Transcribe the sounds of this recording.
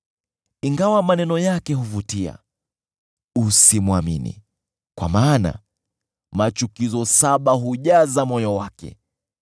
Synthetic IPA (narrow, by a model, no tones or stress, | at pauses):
iŋɡawamanɛnɔjakɛɦuvutia̰ | usimwamḭnḭ | kwa̰maːna̰ | mat͡ʃukizɔsaɓaɦuʄazamɔjɔwakɛ̰